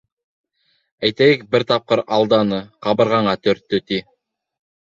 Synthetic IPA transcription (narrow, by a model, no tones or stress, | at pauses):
æjt̪æjɘk̚bɘɾt̪ɑp̚qɤɾɑlˠd̪ɑnɤqɑβɤ̆ɾʁɑɴɑt̪ɵ̆ɾt̪ːɵt̪i